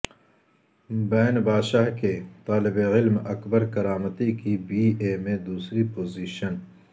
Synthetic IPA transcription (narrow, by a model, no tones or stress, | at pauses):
bɛːnbaːd̪ʃaːɦket̪aːlɪbeʁɪlmɐkbəɾkɐɾaːmət̪ikibiːeːmẽd̪uːsɾipoːziːʃən